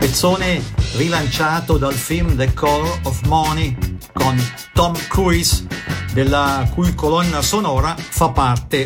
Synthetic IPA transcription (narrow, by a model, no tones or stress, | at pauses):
pet̪sːoːnerilant͡ʃaːt̪od̪alfilmd̪ekʰɔɾɔfmɔnikon | t̪ɔmkuisd̪elːakujkolɔnːasonɔːɾafapːart̪e